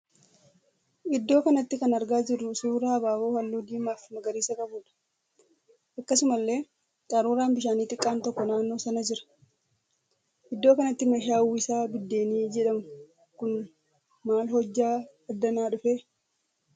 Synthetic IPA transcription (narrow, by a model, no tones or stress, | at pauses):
ʔɪd̪ːo̞ːkɐnɐt̪ːɪkɐnɐɾɡaːd͡ʒɪrːʊsuːɾaːbaːwoːhɐlːuːd̪iːmaːfmɐɡɐɾiːsɐkʼɐbuːᶑɐ̥ | ʔɐkːɐsʊmɐlːe̞ː | kʼaɾuːɾaːnbɪʃaːniːt̪ɪkʼːaːnt̪ɔkːɔnaːnːo̞ːsɐnɐd͡ʒɪɾɐ̥ | ʔɪd̪ːoːkɐnɐt̪ːɪmɐʃaːuːɪsaːbɪd̪ːe̞ːniːd͡ʒɛᶑɐmʊ | kʊn | maːlhɔd͡ʒːaː | ɐd̪ːɐnaːᶑʊfeː